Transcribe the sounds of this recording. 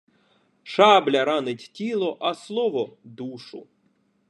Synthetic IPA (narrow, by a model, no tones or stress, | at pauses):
ʃablʲɐɾanɪtʲtʲilˠɔʔɐslˠɔʋɔd̪uʂʊ̰